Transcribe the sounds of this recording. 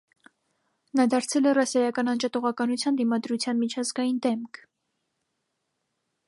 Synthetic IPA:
nɑd̪ɑɾt͡sʰɛlɛrɑsɑjɑkɑnɑnd͡ʒɑt̪ɔʁɑkɑnut͡sʰjɑnd̪imɑd̪ɾut͡sʰjɑnmit͡ʃʰɑzɡɑjind̪ɛmkʰ

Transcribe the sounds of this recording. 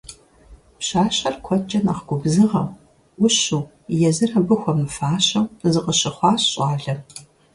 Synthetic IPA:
pɕaːɕɐrkʷʰɔt͡ʃʼɐnaχɡʷʊbzɨʁɐ̰w | ʊɕuː | jɛzɨrɐbɨxʷɔmɨfaːɕɐwzɨqəɕɪχʷɑːɕɕʼɑːɮɐ

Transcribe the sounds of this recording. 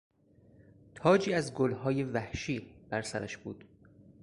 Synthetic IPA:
t̪ʰɒːd͡ʒiːæzɡolɦɒːjevæhʃiːb̥æɾsæɾæ̰ʃb̥ṵːd̪̥

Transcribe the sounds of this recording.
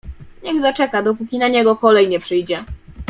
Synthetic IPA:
ɲɛɣzat͡ʂɛkad̪ɔp̬ukʲinaɲɛɡɔkɔlɛjɲɛpʂɘjd͡ʑɛ

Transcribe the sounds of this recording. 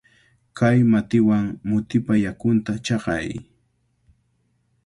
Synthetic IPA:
kajmat̪ɪwaŋmʊt̪ɪpajakʊnt̪at͡ʃɑqɑ̰j

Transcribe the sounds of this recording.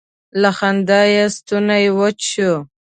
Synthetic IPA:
laxand̪ajast̪unajwot͡ʃu

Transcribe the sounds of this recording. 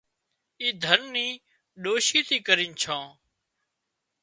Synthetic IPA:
iːd̪ʱənːĩː | ɗoːʃiːt̪iːkəɾĩːnt͡ʃʰãː

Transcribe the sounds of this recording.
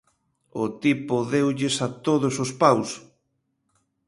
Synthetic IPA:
ʊt̪ipʊðewʎɪsat̪oðosospaws

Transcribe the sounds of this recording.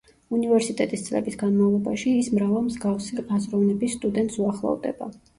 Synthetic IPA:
univɛɾsit̪ʼɛt̪ʼist̪sʼlɛ̰bisɡanmavlˠɔbaʃiːsmɾavamzɡafsiazɾɔvnɛbisːt̪ʼud̪ɛnt̪ʼsuaχlˠɔ̰vd̪ɛ̰ba̰

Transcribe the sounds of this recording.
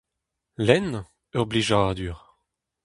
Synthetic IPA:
lɛn | œʁbliʒaːd̪yʁ

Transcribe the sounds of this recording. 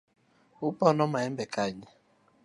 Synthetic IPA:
ʊpɔnɔmaem̩bekaɲɪ

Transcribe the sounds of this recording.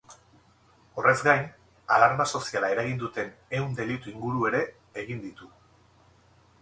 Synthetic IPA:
o̞re̞zɡajn | alaɾmaso̞sialae̞ɾaɣind̪ut̪e̞ne̞und̪e̞lit̪uiŋɡuɾue̞ɾe̞ː | ɣ̞ind̪it̪u

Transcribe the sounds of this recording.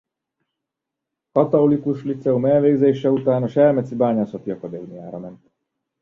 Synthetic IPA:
kɒt̪oulikuʃlit̪sɛumɛlʋeːɡzeːʃɛut̪aːnɒʃɛlmɛt̪sibaːɲasot̪iɒkod̪eumija̰ːɾɒmɛnt̪

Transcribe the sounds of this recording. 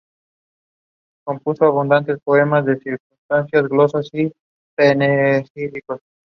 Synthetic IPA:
kompusoaβund̪ant̪espoemasd̪esiɾkunst̪ansjasɡlosasi | penesilikos

